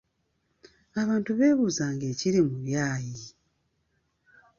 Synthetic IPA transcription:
aβaːntuβe̞ːβuzaːŋɡe̞ːciɾimuβjaːji

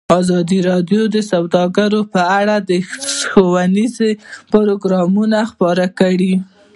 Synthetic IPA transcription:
ɑzɑd̪iɾɑd̪jod̪əsawd̪ɑɡaɾopəaɽad̪əxowanizepʊɾoɡɾɑmunaxpɑɾakəɽi

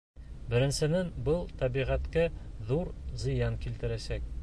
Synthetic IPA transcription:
bɘ̆ɾɘ̆nsɘ̆nænbɤlˠt̪ɒbiʁæt̪kæðuɾzɤ̆jɑnkilt̪ɘ̆ɾæsæk̚

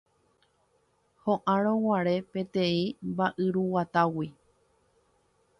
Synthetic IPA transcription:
hõʔãɾõwaɾe̞pẽ̞t̪ẽ̞ĩmbaʔɨɾuwat̪awi

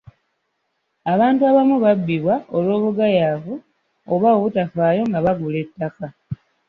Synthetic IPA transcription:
aβaːntuaβamuβabːiβwaolwo̞ːβuɡajavu | oβautafaːjo̞ŋɡaβaɡule̞tːaka

